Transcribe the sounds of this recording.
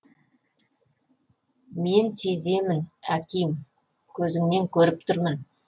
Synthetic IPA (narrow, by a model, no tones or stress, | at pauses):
me̞nse̞ze̞mɪnækʲijm | kʲʰɵzɪŋne̞ŋkʲʰɵɾɪp̚t̪ʰʊɾmən